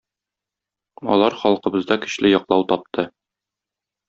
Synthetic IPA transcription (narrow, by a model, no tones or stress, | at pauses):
ɒ̰lˠɑɾχɒlˠqɤ̆bɤ̆zd̪ɑkɘ̆ɕlɘjɒqlˠɑwt̪ɒp̚t̪ʰɤ